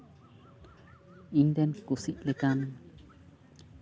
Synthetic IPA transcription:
indɛnkusiʔ̚lɛkan

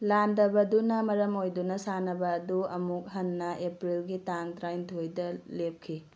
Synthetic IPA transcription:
landɐbɐdunɐmɐɾɐmojdunɐsanɐbɐːduɐmuk̚ɦɐnːɐʔepɾilɡitaŋtɾajntʰojdɐlep̚kʰi

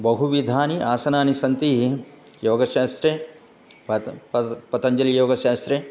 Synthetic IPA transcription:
bɐɦuʋid̪ʱaːniʔaːsɐnaːnisɐnt̪ijoːɡɐʃaːst̪ɾe | ɐpɐt̪ɐɲd͡ʒɐlijoːɡɐʃaːst̪ɾe

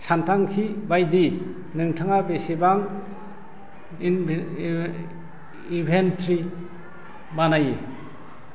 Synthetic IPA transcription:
sʰantʰaŋkʰibajdi | nɯŋtʰɯŋapesebaŋ | ibʰʱentʰɾi | banaje

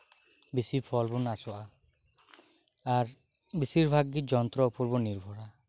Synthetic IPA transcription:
bisipʰɔlbunasɔʔa | aɾ | bisiɾbʱaɡːid͡ʒɔnt̪ɾɔupɔɾbɔniɾbʱɔɾa

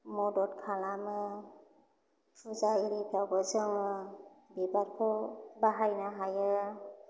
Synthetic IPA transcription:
mɔdɔtkʰalamɯ | sʰuzaiɾipʰawɡɯzɯŋɯbibaɾkʰɯbaɦajnaɦajɯ

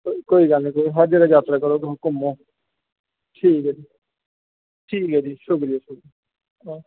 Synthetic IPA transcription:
okoːiːɡəlnĩːkoːiɦəɾd͡ʒeːɾaːd͡ʒaːt̪ɾaːkəɾoːt̪ɦʊkʊmõː | ʈʰiːkɦɛːd͡ʒiː | ʈʰiːkɦɛːd͡ʒiːʃʊkɾiesʊki | ãː

